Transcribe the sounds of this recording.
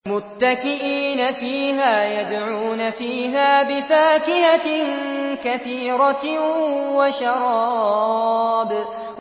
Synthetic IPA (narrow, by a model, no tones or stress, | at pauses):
mʊt̪ːakɪʔiːnafiːɦaːjad̪ʕuːnafiːɦaːbɪfaːkɪhankaθiːɾɑ | waʃɑɾˤɑːɑːb